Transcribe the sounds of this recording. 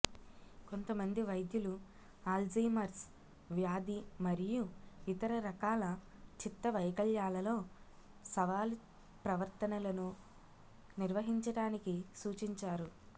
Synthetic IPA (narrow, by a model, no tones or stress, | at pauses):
ko̞nt̪ɐmɐnd̪iʋɐjd̪julu | aːld͡ʒiːmɐɾs | ʋjaːd̪imɐɾijuit̪ɐɾɐɾɐkaːlɐt͡ʃit̪ːɐʋɐjkɐɭjaːlɐlo̞ː | sɐʋaːlu | pɾɐʋɐɾt̪ɐnɐlɐnu | niɾʋɐɦiɲt͡ʃɐɽaːnikisuːt͡ʃiɲt͡ʃaːɾu